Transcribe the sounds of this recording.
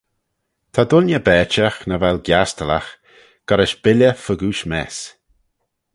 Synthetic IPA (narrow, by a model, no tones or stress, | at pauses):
t̪ʰad̪ʊnjəbɛːt͡ʃəxnəvɛlɡjast̪əla̰x | ɡ̥aɾɪʃb̥ɪlʲjəfəɡuːʃmɛːs